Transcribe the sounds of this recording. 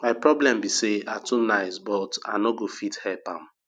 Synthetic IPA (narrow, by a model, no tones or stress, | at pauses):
maɪpɹɔblɛ̃mbiseatunaɪsbɔta̰noɡofithɛlpã̰m